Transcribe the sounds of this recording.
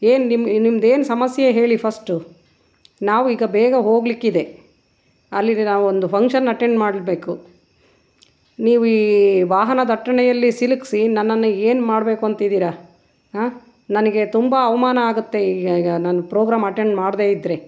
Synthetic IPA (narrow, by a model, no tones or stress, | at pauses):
eːnnimnimd̪e̞ːnusɐmɐsjɐɦe̞ːɭipʰɐsʈu | naːʋuiːɡɐbɛːɡɐɦo̞ːɡlikːid̪e̞ | ɐlːinaːʋuond̪upʰɐŋkʂɐnːɐʈeɳɖmaːɽilbe̞ːku | niːʋuiːʋaːɦɐnɐd̪ʱɐʈːɐɳɛjɐlːisiluksinɐnːɐnːueːnmaːɽbe̞ːkuɐnt̪id̪iːɾɐ | ɦaː | nɐnɐɡe̞t̪umbɐɐʋɐmaːnɐaːɡut̪ːe̞iːɡɐiɡɐnaːnupɾoːɡɾaːmɐʈe̞ɳɖmaːɽd̪e̞ːid̪ɾe̞